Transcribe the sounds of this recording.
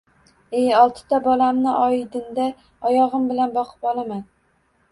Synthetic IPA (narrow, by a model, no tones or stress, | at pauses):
ejɒlˠt̪ʰɪ̥t̪ʰabɒlamnɪʔɒjɪd̪ɪnd̪a | ɒjɒʁɨmbɪlanbɒqʰɨ̥pɒlˠaman